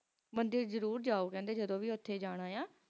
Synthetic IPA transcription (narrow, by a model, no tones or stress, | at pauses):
mənd̪ɪɾzəɾuːɾd͡ʒaːoːkɛ̃ːnd̪eːd͡ʒəd̪õːʋiːʊt̪ʰːeːd͡ʒaːɽ̃aːjãː